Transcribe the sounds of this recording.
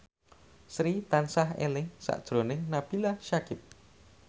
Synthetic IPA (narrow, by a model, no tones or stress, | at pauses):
sɾit̪ansaɦḛlɪŋsa̰ʔd̥ʒ̥ɾonɪŋnab̥ilaʃakɪp̚